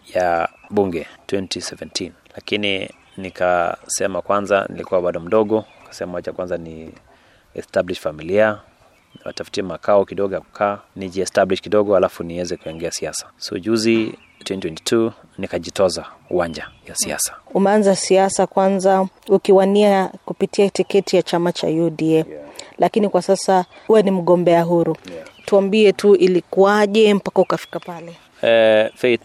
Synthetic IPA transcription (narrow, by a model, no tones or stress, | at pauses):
jaɓuŋɡɛtwɛntʰisɛvɛntʰin | lakini | nikasɛmakwanza̰nḭlikuwaɓaɗɔm̩ɗɔɠɔ | kḁsɛmaat͡ʃakwanzani | ɛ̰stabliʃfamilia | wa̰tafu̥tiɛmakaɔkiɗɔɡɔjaku̥kʰaːniʄiɛstabliʃkiɗɔɡɔhalafuniwɛzɛkuɛŋɡɛasiasḁsṵʄuzi | tʰwɛntwɛnti̥tʰu | nikaʄitɔzauwand͡ʒajasia̰sḁumɛanzasiasakwanzaukiwaniakupitiatikɛtijat͡ʃamat͡ʃa̰judiɛlʔakinikwasasa | huwanim̩ɠɔmbɛaɦuɾutuambiɛtuʔilikuaʄɛm̩pakaukafi̥kapalɛ | ɛfɛt